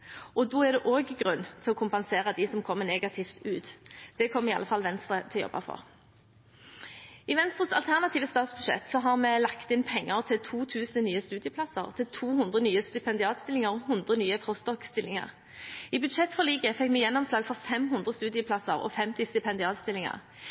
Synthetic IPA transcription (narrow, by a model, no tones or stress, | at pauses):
ʔɔd̪oːɛʁd̪ɛʔoːɡɡʁʉnːt̪ʰɪlɔkʰʊmpɛnseːʁəd̪ɪsɔmkʰɔmːəneːɡɑt̪ʰɪːft̪ʉːt̪d̪̥ɛkʰɔmːɪɑ̰ːəfɑlʋɛnst̪ʁət̪ʰɛljɔ̰bːɑ̰fɔ̰ʁ | ɪʋɛnst̪ʁəsɑ̰lt̪ʰæʁnɑt̪ʰiːʋəst̪ɑːt̪sbʉd̪ʂɛ̰t̪sɔɦɑʁmɛːlɑkt̪ɪnpʰɛŋːəʁt̪ʰɪlt̪ʰuːt̪ʰʉːsənnyːəst̪ʉːd̪ɪəpʰlɑsəʁt̪ʰɪt̪ʰuːhʉnd̪ʁənyːəst̪ʏpʰɛnd̪ɪɑːt̪st̪ɪlɪŋəʁɔhʉnd̪ʁənyːəpʰʁɔst̪ɔkst̪ɪlːɪŋɑ̰ʁ | ɪbʉd̪ʂɛt̪ːfɔʁliːɡəfɛkːmɛjɛnːɔmslɑːɡfɔʁfɛmɦʉnd̪ʁəst̪ʉːd̪ɪəpʰlɑsəʁɔ̰fɛmt̪ɪst̪ʏpʰɛnd̪ɪɑːt̪st̪ɪlːɪŋɑ̰ʁ